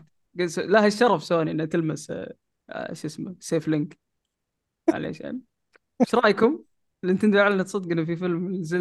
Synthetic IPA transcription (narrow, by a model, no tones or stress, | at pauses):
ɡaslahaʃːɑɾˤɑfsowaːniʔɪnhat̪ɪlmas | ʃʔɪsmaseːflɪŋk | ʕa̰lḛːʃʔa̰n | ʃɾˤɑːjkʊm | lʔɪnt̪ɪnd̪aʕalanat̪sˤɑt̪̚ˤɡɪnafifɪlmzɪ